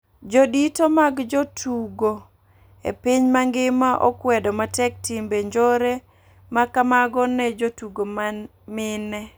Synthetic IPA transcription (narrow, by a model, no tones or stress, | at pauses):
d͡ʒoditomaɡd͡ʒotʰuɡo | ḛpiɲmaŋɡɪmaʔɔ̰kwɛdɔmatɛk̚timbeɲd͡ʒoɾe | makamaɡɔnɛd͡ʒotuɡoma | mɪnɛ